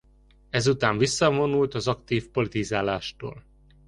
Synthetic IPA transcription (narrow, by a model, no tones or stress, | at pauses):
ɛzut̪aːɱvisːɒvo̞nult̪ɒzɒkt̪iːfpo̞lit̪izaːlaːʃt̪o̰ːl